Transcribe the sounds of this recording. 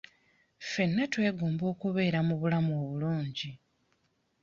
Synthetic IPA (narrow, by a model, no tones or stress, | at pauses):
fe̞nːatwe̞ːɡoːmbo̞ːkuβe̞ːɾamuβulamoβuluːɲɟi